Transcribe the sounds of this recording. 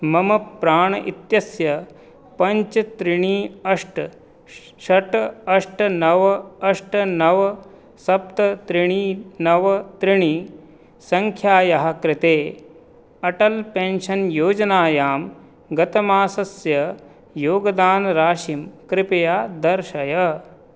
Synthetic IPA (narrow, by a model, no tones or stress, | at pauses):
mɐmɐpɾaːɳ̃ɐʔit̪jɐsjɐ | pɐɲt͡ʃɐt̪ɾɪɳ̃iːɐʂʈ | ʃɐʈɐʂʈɐnɐʋɐɐʂʈɐnɐʋɐ | sɐp̚t̪ɐt̪ɾiɳ̃iːnɐʋɐt̪ɾiɳ̃i | sɐŋkʰjaːjɐɦɐkɾɪt̪eː | ɐʈɐlpẽnʃɐnjoːd͡ʒɐnaːjaːm | ɡɐt̪ɐmaːsɐsjɐ | joːɡɐd̪aːnɾaːʃimkɾɪpejaːd̪ɐɾʃɐjɐ